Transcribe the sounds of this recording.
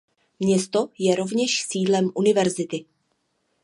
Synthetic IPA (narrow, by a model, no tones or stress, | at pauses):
mɲɛst̪o̞jɛɾo̞vɲɛʃsiːdlɛmʔunɪvɛɾzɪt̪ɪ